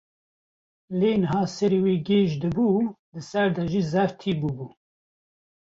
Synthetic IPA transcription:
leːnɨɦɑːsɛɾeːweːɡeːʒd̪ɨbuːd̪ɨsɛɾd̪ɛʒiːzɛɾt̪ʰiːbubuː

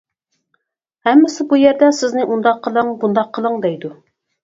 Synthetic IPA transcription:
hɛmːɪsɪbujɛɾd̪ɛsɪznɪʔund̪ɑqʰːəlˠəŋbund̪ɑqʰːəlˠəŋd̪ɛjd̪u

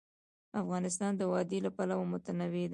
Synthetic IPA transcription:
afɣɑnɪs̬t̪ɑnd̪əwɑd̪elapalawmʊt̪anawed̪

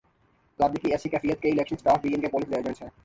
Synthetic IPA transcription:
labd̪ikiɛʃikɛfijət̪̚keilekʃənsʈaɾfbienkepolisd̪eed͡ʑent͡ɕʰe

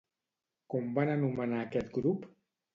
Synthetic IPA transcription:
kɔmbanənumənaːkɛt̪ɡɾup

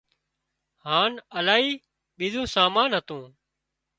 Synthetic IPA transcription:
haːnəlaːɦiː | ɓiːzõːsaːmaːnɦət̪õː

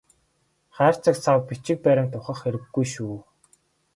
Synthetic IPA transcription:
χæːr̥t͡sə̆kt͡sʰawpit͡ɕɪ̆k̚pæɾʲɪ̆ŋt̪ʰʊχə̆χxeɾɘ̆ɡːujʃuː

